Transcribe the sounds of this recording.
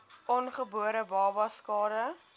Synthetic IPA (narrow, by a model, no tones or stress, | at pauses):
ʔɔnχəbuəɾəbɑːbɐskɑːɾə